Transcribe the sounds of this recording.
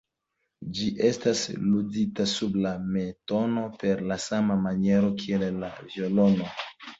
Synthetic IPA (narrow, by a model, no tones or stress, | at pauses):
d͡ʒiʔestasluditasublame̞tono̞pe̞ɾlasamamanje̞ɾo̞kielela̰vjo̞lono